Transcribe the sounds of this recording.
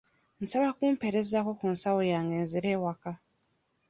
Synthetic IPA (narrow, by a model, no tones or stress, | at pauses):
n̩saβakuːmpe̞ɾe̞zako̞kunsawojaːŋɡeːnziɾeːwaka